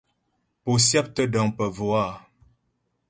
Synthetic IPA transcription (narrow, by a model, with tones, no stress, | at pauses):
po˨sjɛ˦p̚tə˦dã˨ŋpə˨vwaː˦˨